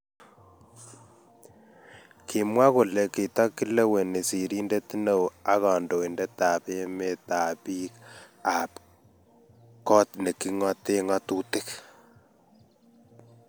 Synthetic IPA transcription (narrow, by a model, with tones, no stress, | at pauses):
kʰi˨mwa˦ko˨le˨ki˨tɔ˦kːi˦le˦we˨ne˨si˨ɾi˦nde˦ti˦no˨a˦ɣɔ˨ndo˨i˨nde˦ta˨pe˦me˨ta˨pi˦ka˨p | kɔ˦tne˨ki˦ŋɔ˦te˦ŋa˦tu˦tɪ˦k